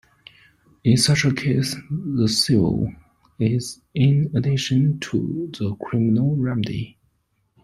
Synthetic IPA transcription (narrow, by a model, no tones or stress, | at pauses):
ɪ̃nsʌt͡ʃəkʰeɪsðəsɪvə̰lˠ | ɪz | ɪ̃nədɪʃə̃ntʰə̰ðəkʰɹ̥ɪmənəlˠɹɛmədḭ